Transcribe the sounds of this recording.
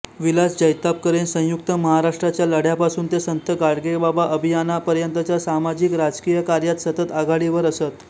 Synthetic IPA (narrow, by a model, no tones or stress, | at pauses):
ʋilasd͡ʑəjt̪ap̚kəɾensə̃juk̚t̪əməɦaɾaʂʈɾat͡ɕjaləɽ̤japasuːnt̪esənt̪əɡaɽɡebabaʔəbʱijanapəɾjənt̪ət͡ɕjasamad͡ʑiːkɾad͡zkijəkaɾjat̪sət̪ət̪aɡaɽiʋəɾəsət̪